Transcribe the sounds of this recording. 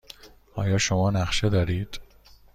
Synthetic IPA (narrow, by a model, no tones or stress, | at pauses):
ɒːjɒːʃomɒːnæχʃe̞d̪ɒːɾiːd̪̥